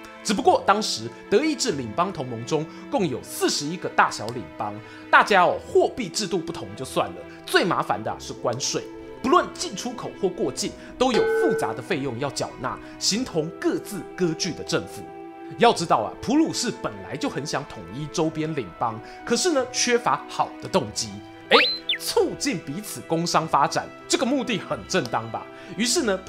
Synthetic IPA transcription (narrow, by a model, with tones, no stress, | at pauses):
ʈ͡ʂɻ̩˨˩p̬u˧˥kwɔ˥˩t̪ɑ˥ŋʂɻ̩˧˥t̪ɤ˧˥i˥˧ʈ͡ʂɻ̩˥˩li˨˩ŋpɑ˥ŋt̪ʰʊ˧˥ŋmʊ˧˥ŋʈ͡ʂʊ˥ŋ | kʊ˥˩ŋjo˨˩ʊsɹ̩˥˩ʂɻ̩˧˥i˥ɡə˨t̪a˥˩ɕjɑ˧˥ʊlḭ˨˩ŋpɑ˥ŋ | t̪a˥˩t͡ɕja˥ɔ˨˩xwɔ˥˧pi˥˧ʈ͡ʂɻ̩˥˧t̪u˥˧pu˥˩t̪ʰʊ˧˥ŋt͡ɕjo˥˧ʊswa̰˥˨˩nlə̰˩ | t͡swe˥˩ɪma̰˧˥fa̰˧˦nd̪ə˧˦ʂɻ̩˥˩kwa˦nʂwe˥˩ɪ | pu˧˥lwə˥˧˨nt͡ɕi˥˩nʈ͡ʂʰu˥kʰo˨˩ʊxwɔ˥˧kwɔ˥˧t͡ɕi˥˩n | t̪o˥ʊjo˨˩ʊfu˥˩t͡sa˧˥d̪ə˨˧fe˥˧ɪjʊ˥˧ŋjɑ˥˩ʊt͡ɕjɑ̰˨˩ʊna̰˥˨˩ | ɕi˧˥ŋt̪ʰʊ˧˥ŋkɤ˥˧t͡sɹ̩˥˩kɤ˥t͡ɕy˥˩d̪ə˩ʈ͡ʂə˥˨˩ŋfṵ˨˩˦ | jɑ˥˩ʊʈ͡ʂɻ̩˥t̪ɑ˥˩ʊɐ̰˨˩pʰu˧˥lu˨˩ʂɻ̩˥˩pə˨˩nla̰˧˦ɪt͡ɕjo˥˩ʊxə˧˦nɕjɑ˧˥ŋt̪ʰʊ˨˩ŋi˥ʈ͡ʂo˥ʊpjɛ˥nli˨˩ŋpɑ˦˥ŋ | kʰɤ˨˩ʂɻ̩˥˩nə˨t͡ɕʰɥɛ˥fa˧˥xɑ˨˩ʊd̪̥ə˦t̪ʊ˥˩ŋt͡ɕi˥ | e˧˥ɪt͡sʰu˥˧t͡ɕi˥˩npi˨˧˥t͡s̩ʰ˨˩kʊ˥ŋʂɑ˥ŋfa˥ʈ͡ʂa̰˨˩˦nʈ͡ʂɤ˥˩ɡə˨mu˥˧t̪i˥˩xə˨˩nʈ͡ʂə˥˩nt̪ɑ˥ŋba̰˨ | y˧˥ʂɻ̩˥˩nə˨